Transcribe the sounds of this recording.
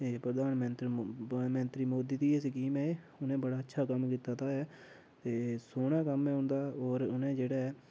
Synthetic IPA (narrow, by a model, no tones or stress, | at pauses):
t̪eːpɾəd̪aːnmənt̪ɾmə̃nt̪ɾiːmoːd̪iːd̪iːeːsikiːmɛː | ʊnẽːbəɽaːətːʃʰaːkəmkiːt̪aːt̪aːɦɛː | t̪eːsoːɽ̃ãːkəmɛːʊ̃nd̪aːoːɾʊnẽːd͡ʒeːɽɛː